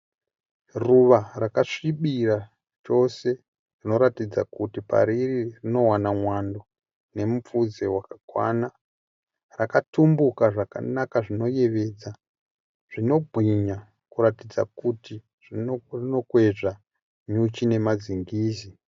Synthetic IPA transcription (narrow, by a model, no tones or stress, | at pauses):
ruʋarakaʂiɓira | t͡ʃo̞se̞ | rino̞ɾatid͡zakutipa̰ɾiririno̞wanamwando̞ | ne̞mup͡fud͡zewakakwa̰na | rakatumbukaʐaka̰nakaʐino̞je̞ʋe̞d͡za | ʐ̥ino̞ɡʱwiɲa | kuɾatid͡za̰kuti | ʐirino̞kwe̞ʐa | ɲut͡ʃine̞mad͡ziŋɡiːzi